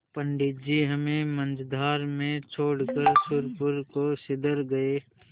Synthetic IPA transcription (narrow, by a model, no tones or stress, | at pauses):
pəɳɖɪt̪̚d͡ʒiɦəmẽmə̃nd͡ʒd̪ʱaːɾmẽt͡ʃʰoːɽkəɾsʊɾpʊɾkosɪd̪əɾɡɐeː